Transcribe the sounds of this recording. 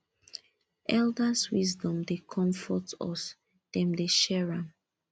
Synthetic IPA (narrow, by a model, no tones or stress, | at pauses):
ʔɛldaswisdɔ̃mdekʰɔ̃ɱfɔtɔ̰s | d̥ɛ̃mdeʃɛɹãm